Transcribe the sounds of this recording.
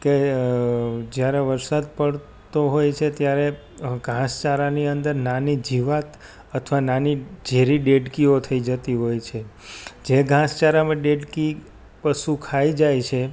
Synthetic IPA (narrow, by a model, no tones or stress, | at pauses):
ke | d͡ʒjaɾeʋəɾsad̪̚pəɭ | t̪oɦojt͡ʃʰet̪jaɾe | ɡʱãst͡ʃaɾaniənd̪əɾnanid͡ʒiʋat̪ | ət̪ʰʋananid͡ʒeɾiɖeɖkiot̪ʰəid͡ʒət̪iɦojt͡ʃʰe | d͡ʒeɡʱãst͡ʃaɾamãɖeɖki | pəsukʰaid͡ʒajt͡ʃʰe